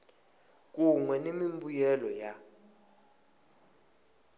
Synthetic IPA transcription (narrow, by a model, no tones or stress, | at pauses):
k̬uŋwɛnemimbujɛlɔja